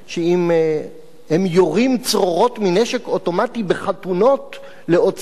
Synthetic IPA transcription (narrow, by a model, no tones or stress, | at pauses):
ʃeim | hemjoʁimt͡sʁo̞ʁo̞tmineʃekoto̞matibeχatuno̞t | le̞ot͡s